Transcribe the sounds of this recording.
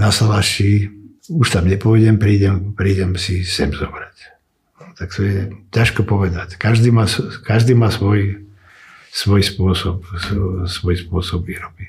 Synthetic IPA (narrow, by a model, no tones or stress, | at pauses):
nasalaʃi | uʃt̪amɲɛpɔʋɛɟɛmpɾiːɟɛmpɾiːɟɛmsisɛ̰mzɔbɾac | t̪akt̪ɔjɛcaʃkɔpɔʋɛd̪ackaʒd̪iːmaːskaʒd̪iːmaːsʋɔj | sʋɔjspʊɔsɔp̚ssʋɔjspʊɔsɔbʋiːɾɔbi